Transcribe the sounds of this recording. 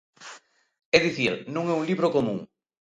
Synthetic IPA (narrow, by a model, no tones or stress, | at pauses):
ɛðiθiɾnõŋɛuŋliβɾokomũŋ